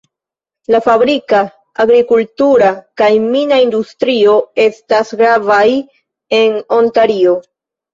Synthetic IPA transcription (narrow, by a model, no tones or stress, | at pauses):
lafabɾikaː | ɡɾikultuɾakajminaindustɾio̞e̞stasɡɾavaj | e̞no̞ntaɾio̞